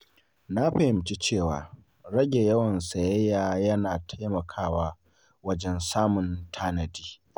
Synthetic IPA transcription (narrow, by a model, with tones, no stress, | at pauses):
na˦ɸɐ˨hɪ˨mt͡ʃi˦t͡ʃeː˦˨wa̰ː˨ | ɽɐ˦ɡʲe˨jɐ˦wɐ˨nsɐ˨jɛ˦jaː˨jɐ˦naː˨tʰa˦jmɐ˨kʰaː˦waː˦ | wɐ˦d͡ʒɛ˦nsaː˦mʊ˨ntʰaː˦nɐ˨diː˦